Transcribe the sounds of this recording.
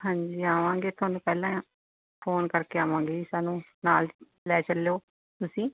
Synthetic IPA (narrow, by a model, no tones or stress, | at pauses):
ɦãːɲd͡ʒiːaːʋãːŋɡeːt̪ʰʊaːnũːpɛːlãːãː | pʰoːnkəɾkeːaːʋãːŋɡeːsaːnũː | naːl | lɛːt͡ʃəljoː | t̪ʊsĩː